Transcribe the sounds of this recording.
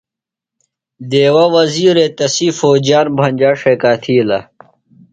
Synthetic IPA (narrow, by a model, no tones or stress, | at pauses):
d̪eːwɐwɐziːɾet̪ɐsifoːd͡ʑjaːnbʱɐnd͡ʑaːʂeːkaːt̪ʰiːlɐ